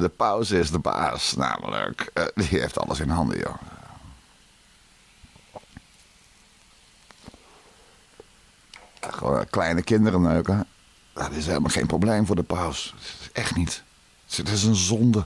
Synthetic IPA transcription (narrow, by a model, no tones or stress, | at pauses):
dəpawsɪsdəba̰ːsna̰ːmə̰lə̰kdiheːftʰɑ̰lˠə̰sɪnhɑndə̰jo̰ | xo̰nklɛjnəkɪndəɾənøːkə | atɪsheːləmaxḛːnprobleːmfʊːdəpawsɛxtnit | ɪs̬ənzɔndə